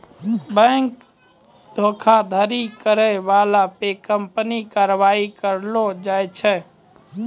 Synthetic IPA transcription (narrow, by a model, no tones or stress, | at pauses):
bə̃ŋk | d̪ʱokʰad̪ʱəɾikəɾɛʋalapekəmpnikaɾʋaikəɾlod͡ʒajt͡ʃʰɛ